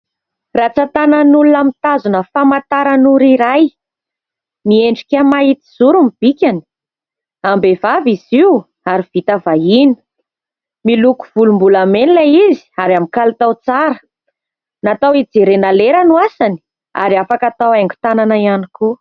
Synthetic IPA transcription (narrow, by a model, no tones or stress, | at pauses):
rat͡sat̪ananulunamit̪azunəfamat̪aɾanuɾiɾaj | mieɳɖ͡ʐikʲamait̪iz̥uɾumib̥ikʲani̥ | ambevaviziw | aɾiv̥it̪avainə̥ | miluku̥v̥ulumbulamenilaizi̥aɾamikalat̪awt͡saɾə | nat̪awid͡zeɾenaleɾanuasani̥ | a̰ɾiafakat̪awaŋɡu̥t̪ananaianiku